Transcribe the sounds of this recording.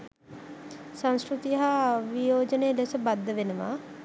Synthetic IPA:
sãnskɾut̪iɦaʋijoːd͡ʒənejəlesəbad̪ːəʋenəʋa̰

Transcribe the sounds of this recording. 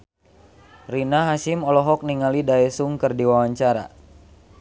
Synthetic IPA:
rinaɦasimɔlɔɦɔk̚niŋalidaɛsuŋkɨrdiwawaɲt͡ʃaɾa̰

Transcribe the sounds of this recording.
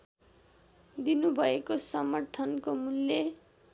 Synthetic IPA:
d̪inubʱʌekosʌmʌrt̪ʰʌnkomulːe

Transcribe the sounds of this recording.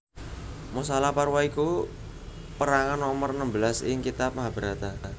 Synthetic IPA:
musalaparwaiku | pəɾaŋanːɔmərnəmbəlasɪ̰ŋkit̪ap̚maɦab̥əɾat̪a

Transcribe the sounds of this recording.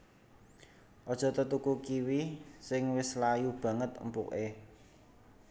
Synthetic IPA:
ʔɔd̥ʒ̥ɔ̤t̪ət̪ukukiwisɪŋwɪslajub̥ä̤ŋət̪ə̰mpṵʔe

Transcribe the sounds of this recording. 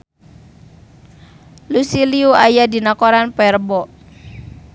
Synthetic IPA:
lusiliuajadinakɔɾanpɛrbɔ

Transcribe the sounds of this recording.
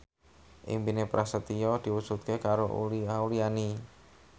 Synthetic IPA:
ʔḭŋbinepɾʔasət̪iɔd̪̥i̤wusut̪̚kekaɾoṵliauliani

